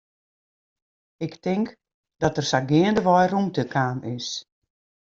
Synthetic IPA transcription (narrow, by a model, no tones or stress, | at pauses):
ɪktɪŋk | d̥ɔtərsaɡɪəndəʋɔjrumtəkʰaːmɪs